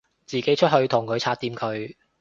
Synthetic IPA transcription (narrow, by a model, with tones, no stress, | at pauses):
t͡siː˨˩ke˨˥jt͡ʃʰɵ˥t̚hɵ˧ɥt̪ʰʊ˨˩ŋkʰɵ˨˧ɥt͡sʰaː˧t̚t̪iː˧mkʰɵ˨˧ɥ